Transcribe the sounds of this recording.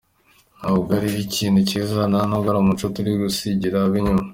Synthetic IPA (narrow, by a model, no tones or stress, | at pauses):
nauɡaɾiiciːnduciːzananoɡaɾamut͡ʃotuɾiɡusiɟiɾaβiɲuma